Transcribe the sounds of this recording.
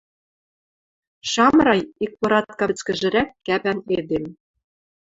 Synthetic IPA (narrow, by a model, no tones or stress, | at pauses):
ʃɑmrɑjik̚pŏɾɑt̪̚kɑɘ̆t͡skɘ̆ʒɘ̆ɾækːæpæned̪em